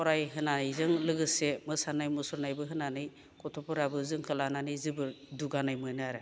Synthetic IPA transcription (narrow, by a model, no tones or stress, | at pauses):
ɔɾajɦɯnanɯjzɯŋlɯɡɯsemɯsanajmusɔɾnajbɯɦɯnanɯj | kɔtʰɔpɔɾabɯzɯŋkʰɯlananɯjzɯbɯɾduɡanajmɯnɯaɾɯ